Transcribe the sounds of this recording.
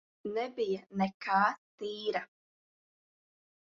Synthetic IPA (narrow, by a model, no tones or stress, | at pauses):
nɛbijənɛkaːt̪iːɾa